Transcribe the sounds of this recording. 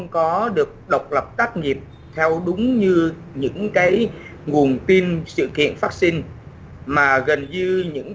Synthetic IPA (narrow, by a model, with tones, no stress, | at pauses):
ŋ͡mkɔ˨˦ɗɨ˨˩ək̚ɗə˨˩wk͡p̚lə˨˩p̚t̪aː˦˥k̚ŋi˨˩əp̚ | t̪ʰɛ˧wɗʊ˨˦ŋ͡mɲɨ˧ | ɲɨ̰˧˥ŋkaː˨˦j | ŋu˨˩ənt̪i˧nsɨ̰˧˨kḭ˧˨ənfaː˦˥k̚si˧ŋ | maː˨˩ɣə˨˩nɲɨ˧ɲɨ̰˧˥ŋ